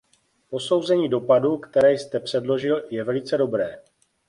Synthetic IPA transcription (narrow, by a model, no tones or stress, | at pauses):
po̞so̞wzɛɲiːdo̞padukt̪ɛɾɛːjst̪ɛpr̝̥ɛdlo̞ʒɪljɛvɛlɪt͡sɛdo̞bɾɛː